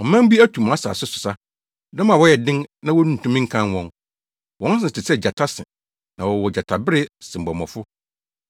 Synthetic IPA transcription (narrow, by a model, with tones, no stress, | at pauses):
ɔ˨mã˦m˦bi˦æ˦tʰu˨m˨a˦sa̰˨sʊ˦sʊ̥˨sa˦ | dɔ̃˦m˦ã˨wɔ˦jɛ˨dɪ̃˦nnã˦wɔ˦nũ˦n̩˨tʰũ˦mĩ˦ŋ̩˦kʰã˦nwɔ̃˦n | wɔ̃˨˦n˦s̬ɪ̃˦˨tʰɪ˨sɛ˦d͡ʑa˨tʰa˦sɪ̃˨ | nã˨wɔ˨wɔ˨d͡ʑa˨tʰa˨bɪ˦ɾɪ˦sɪ̃˨m˨bɔ˨mɔ̰̃˨fʊ˦